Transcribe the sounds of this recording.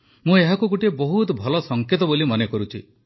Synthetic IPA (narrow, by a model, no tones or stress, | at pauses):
mũeɦakuɡuʈiebɔɦut̪bʱɔlɔsɔŋket̪ɔbolimɔnekɔɾut͡ʃʰḭ